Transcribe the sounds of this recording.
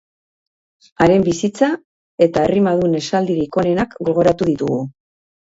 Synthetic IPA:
aɾe̞mbisit͡sa | e̞t̪aerimaðune̞sald̪iɾiko̞ne̞nakɡo̞lɣo̞ɾat̪uðit̪uɣu

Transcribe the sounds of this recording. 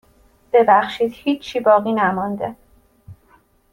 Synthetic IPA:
b̥e̞bæxʃiːd̪̥hiːt͡ʃʰːiːbɒːɣiːnæmɒnd̪e

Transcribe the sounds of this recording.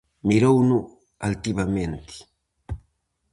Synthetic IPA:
miɾownu | alt̪iβamẽnt̪i̥

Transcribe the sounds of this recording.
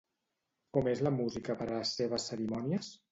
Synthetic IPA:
kɔmezləmuzikəpəɾəəsːeβ̞əsːəɾimɔniəs

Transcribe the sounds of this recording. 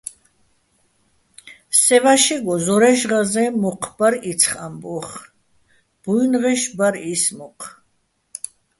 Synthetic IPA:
sɛvaʃɛɡɔzɔɾɛʃʁazɛmɔqʰbaɾit̪t͡sʰχambɔχ | b̥ujnʁɛʃbaɾismɔqʰ

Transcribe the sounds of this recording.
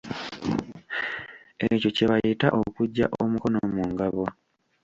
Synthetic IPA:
eco̞ceβajitaʔokuɟːaʔomuko̞nomuːŋɡaβo

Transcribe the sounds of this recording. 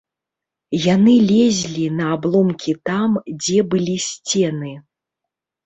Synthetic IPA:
janɨlʲɛzʲlʲinɐːblˠɔmkʲit̪amd͡zʲɛbɨlʲisʲt͡sʲɛnɨ

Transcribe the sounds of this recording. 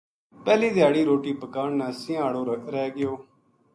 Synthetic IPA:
pɛːliːd̪ɪjaːɽiːɾoːʈiːpəkaːɳnaːsɪ̃aːɽoːɾɾɛːɡɪjoː

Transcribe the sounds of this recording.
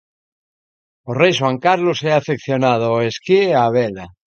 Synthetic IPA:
orejʃwaŋkaɾloseafekθjonað̞oeskiaβela

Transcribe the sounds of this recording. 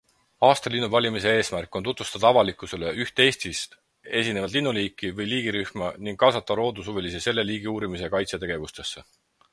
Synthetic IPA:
ɑːst̪ɑlinːuvɑlʲimise̞e̞ːsmærkːˑo̞nt̪ut̪vu̥st̪ɑd̪ɑɑvɑlikːˑuse̞le̞ʔyht̪e̞ːsʲt̪ist̪ | e̞sʲine̞vɑd̪linːuliːkˑːivɤjliːɡ̥iɾyhmɑniŋɡ̥kːɑsɑt̪ːˑɑɾo̞ːd̪usuvelisese̞lːe̞liːɡiuːɾimise̞kɑjt̪set̪e̞ɡ̥evust̪e̞sːe̞

